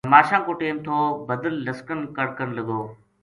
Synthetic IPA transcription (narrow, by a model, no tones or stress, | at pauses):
maːʃãːkõːʈeːmt̪ʰoːbəd̪əlːɐskənkəɽkənlɐɡoː